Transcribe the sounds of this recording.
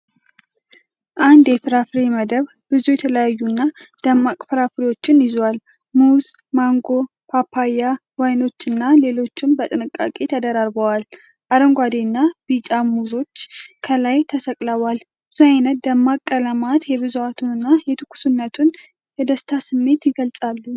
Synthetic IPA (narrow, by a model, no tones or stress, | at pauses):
ʔand̪jɛfɨɾafɾeməd̪əβ | b̥ɨzujɛt̪ʰələjajːunːad̪̥əmːakʼfɨɾafɾiwo̞t͡ʃːɪnjɪzwal | muz | maŋɡo̞ | pʰapʰːajːawajno̞t͡ʃːɨnːale̞lo̞t͡ʃːɪmbət̪ʼɨnɨkʼːa̰kʼe̞t̪ʰəd̪əɾaɾbəwal | ʔaɾəŋɡʷad̪enːabit͡ʃʼamuzo̞t͡ʃːkʰəlajt̪ʰəsəkʼləwal | bɨzuajnət̪̚d̪əmːakʼːələmat̪jɛβɨzuat̪ʰunɨnːajɛt̪ʰɨkʰːu̥sunːət̪ʰun | jɛd̪əst̪ʰasɨmːe̞t̪jɪɡəlsʼalːu